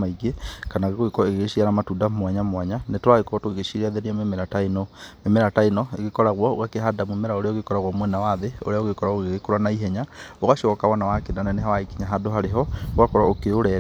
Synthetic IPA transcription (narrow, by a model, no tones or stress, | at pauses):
aiɡekanaɣeɣoekɔeɣeɣeʃiaɾamatudamwaɲamwaɲanetowaɣekɔɔtoɣeɣeʃiɾeaðeɾiamemeɾatainɔmemeɾatainɔḛɣekɔɾaɣwɔo̰ɣakeɦadamumɛɾaoɾeɔoɣekɔɾaɣwɔmwɛnawaðeo̰ɾeaoɣekɔɾaoɣeɣekoɾanaiɦɛɲaoɣaʃɔɔkawanawakenanɛnɛɦawaikiɲaɦadoɦaɾeɦɔoɣakɔɾaokeoɾɛ